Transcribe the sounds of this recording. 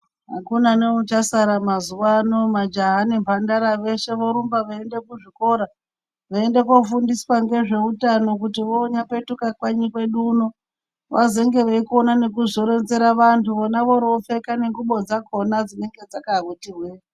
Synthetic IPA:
ɦa̰kunaneut͡ʃasaɾamazuwano̞mad͡ʒaɦanimpandaɾaʋe̞ʃe̞ʋoɾumbaʋaende̞kuʐiko̞ɾa | ʋaende̞ko̞fundiswaŋɡe̞ʐe̞utano̞k̬utiʋoːɲape̞tukakwaɲikwe̞ɗuno̞ | ʋazeŋɡe̞ʋeikonane̞k̬uzoɾe̞nze̞ɾaʋantʰuʋonaʋo̞ɾofe̞kane̞ŋɡuɓo̞d͡zakʰo̞nad͡zine̞ŋɡe̞d͡zakaβutirwe

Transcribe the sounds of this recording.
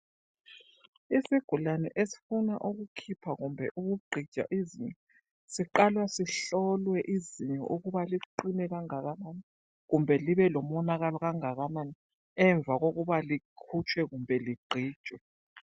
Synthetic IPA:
isiɡ̥ʱulanɛ̰ʔesi̥funaʔuɣukʰipʰaɣumbʱɛ̰ʔuβuɡ͡ǃʱid̥ʒ̥ʱa̰ʔiziɲɛ | siǃalwasiɬɔlwɛʔiziɲɛ̰ʔuɣuβaliǃinɛɣaŋaɣamani | ɣumbʱɛliβɛlɔmɔnaɣalɔɣaŋaɣamani | ɛɱb̪vʱaɣoɣuβalikʰut͡ʃʰʼwɛɣumbʱɛliɡ͡ǃʱiːd̥ʒ̥ʱwɛ

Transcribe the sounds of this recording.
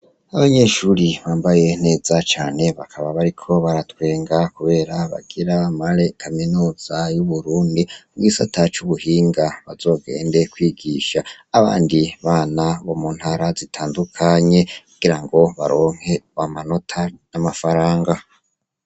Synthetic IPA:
aβaɲe̞ʃuːɾiβaːmbaje̞n̥e̞ːzat͡ʃaːne̞βakʰaβaβaɾikʰo̞βaɾatwe̞ːŋɡakuβe̞ːɾaβa̰ɡ̥iɾamaɾe̞kʰaminuːz̥ajuβuɾuːndimuɡisa̰tʰat͡ʃuβuhiːŋɡaβazo̞ːɡe̞̰ːnde̞kwiːɡiʃaː | βa̰ːndiβaːnaβo̞muːn̥haɾazitʰaːndukʰaɲe̞kuɡ̥iɾaŋɡo̞βa̰ɾo̞ːŋ̥he̞βamanotʰanamafaɾaːŋɡa

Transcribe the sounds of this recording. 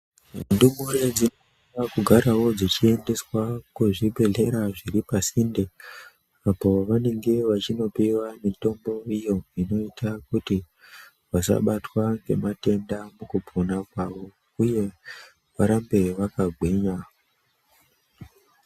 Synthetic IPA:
ndumuɾed͡zino | ʋakuɡʱaɾawo̞d͡zit͡ʃie̞nde̞swakuʐibʱe̞ɮe̞ɾaʐiɾipasinde | apo̞ʋane̞ŋɡe̞ʋat͡ʃino̞piwamito̞mbo̞ijo̞ino̞itʰakuti | ʋasa̰ɓatwaŋɡe̞̰mate̞ndamukupʰonakwaʋo̞ | uje̞ | ʋaɾambe̞ʋakaɡʱweɲa

